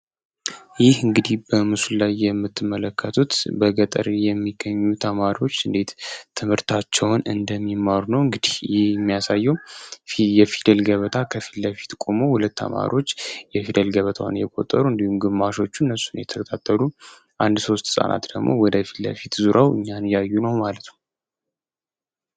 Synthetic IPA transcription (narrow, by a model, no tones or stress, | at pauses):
jɪhɨŋɡɨd̪ihbəmɨsullajːɛmːɨt̪ʰːɨmːələkʰːət̪ʰut̪bəɡət̪ʼə̰ɾjɛmːiɡəɲːut̪ʰəmaɾiwo̞t͡ʃːɨnd̪e̞t̪t̪ʰːɨmhɨɾt̪ʰat͡ʃːɛwnɨnd̪əmːimːaɾunəwɨŋɡɨd̪ihjɪhjɛmːijasajːɛw | jɛfid̪əlɡəβət̪ʰakʰəfi̥tləfi̥t̪kʼo̞mo̞hulət̪ːə̰ma̰ɾio̞t͡ʃːjɛfid̪əlɡəβət̪ʰa̰wnjɛkʼot̪ʼːəɾuɨnd̪ihumɡɨmːaʃo̞t͡ʃːunːəsːunjɛt̪ʰəkʰət̪ʰat̪ʰːəlu | ʔand̪so̞st̪sʼa̰nʔa̰t̪d̪əɡmo̞̰wɔd̪əfilə̰fit̪zuɾawʔɨ̰ɲːanjajːunəwmalət̪nə